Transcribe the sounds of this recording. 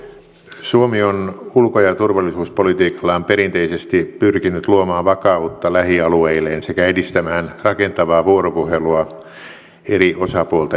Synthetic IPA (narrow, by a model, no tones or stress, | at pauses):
suomionulkojɑt̪urʋɑlːisuːspolit̪iːkɑ̥lːɑompeɾint̪eisest̪ipyrkinyt̪luomɑːʋʋɑkɑut̪ːɑlæhiɑlueileːnsekæedist̪æmæːnrɑkent̪ɑʋɑːʋuoɾopuheluɑ | eɾiʔosɑpuolt̪ɑ